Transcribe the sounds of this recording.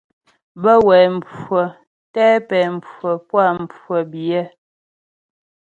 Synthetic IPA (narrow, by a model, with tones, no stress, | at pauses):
bə˦wɛː˨m̩˨pə˨ | tɛː˦pɛː˨m̩˨pə˨pwa˦˨m̩˨pə˨bjɛ˦